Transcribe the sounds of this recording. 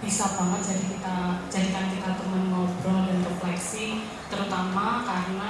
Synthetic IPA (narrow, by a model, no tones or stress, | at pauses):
b̥isab̥aŋət̪̚d͡ʒadikit̪ad͡ʒadikankit̪at̪əmənmɔbɾɔldanrəplɛksɪŋ | t̪əɾut̪amakarna